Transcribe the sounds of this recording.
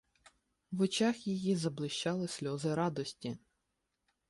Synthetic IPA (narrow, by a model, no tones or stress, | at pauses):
ʋɔt͡ʃɑxjijizɐblˠɪʃt͡ʃɑlˠɪsʲlʲɔzɪɾɑd̪ɔsʲtʲi